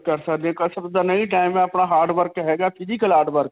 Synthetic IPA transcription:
kəɾsəkd̪eɛ̃kəɾsəd̪aːnəiʈ̬aːɪmɛ̃ːapɳaːɦaːɾɖʋəɾkɦɛːɡaːpʰɪzikəlaːɾɖʋəɾk

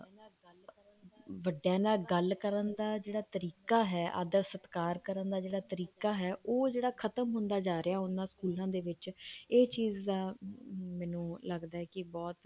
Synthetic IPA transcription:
ʋəɖːjãːnaːɡəlkəɾənd̪aːd͡ʒeːɽaːt̪əɾiːkaːɦɛːʔa̰ːd̪əɾsət̪kaːɾkəɾənd̪aːd͡ʒeːɽaːt̪əɾiːkaːɦɛːʔoːd͡ʒeːɽaːkʰət̪əmɦʊ̃nd̪aːd͡ʒaːɾeaːʊnãːskuːlãːd̪eːʋɪt͡ʃeːt͡ʃiːzd̪aːmɛːnũːləɡd̪aːɦɛːkɪbɔːt̪

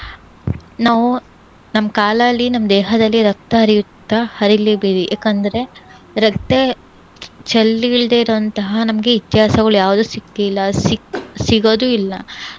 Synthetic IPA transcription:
naːʋu | nɐmːɐkaːlɐlːinɐmːɐd̪ɛːɦɐd̪ɐlːiɾɐk̚t̪ɐɦɐɾijut̪ːɐhɐɾilibiɾijʔaːkɐnd̪ɐɾe̞ | ɾɐkt̪e | t͡ʃɐlːiɭd̪eiɾoɐnt̪ɐɦɐnɐmɐɡe̞it̪jaːsɐɡɐɭujaːʋud̪uːsikːilːɐsiksiɡoːd̪uilːɐ

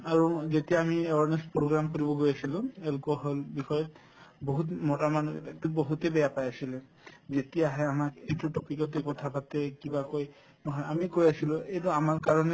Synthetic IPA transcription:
aɹuzetijaːmiewaɹnespɹoɡɹamkoɹibɔɡojasilʊ̃ɛlkɔɦɔlbixɔjɔt | boɦutmɔtamantuboɦutebɛjapajasilɛ | zetijaɦɛamakejtutɔpikɔt̬ekɔtʰapatɛkibakoj | nɔɦɔjamikojasilʊ̃ejtʊamaɹkaɹɔnɛ

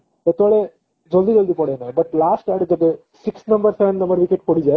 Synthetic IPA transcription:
d̪ɐt̪oɭe | d͡ʒɔld̪id͡ʒɔld̪ipɔɽenɐbɐʈlaːsʈɛɖd̪ɐe | siksnɐ̃mbɐɾseʋə̃nɖnɐ̃mbɐɾʋikeʈ̚pɔɽid͡ʒa

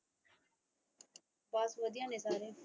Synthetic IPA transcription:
baːsʋəd̪ɪjãːneːsaːɾeː

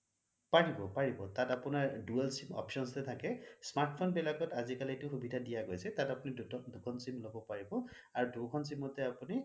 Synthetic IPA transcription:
paɹibɔpaɹibɔtatapunaɹduɛlsimɔ̰psɔnsɛtʰakɛsmaɹʈpʰɔnbɛlaɡɔtazikalitʊxubidʱadijaɡojsɛtatapunidʱutɔdukʰɔnsimlobɔpaɹibɔ | aɹudukʰɔns̬imɔtɛapuni

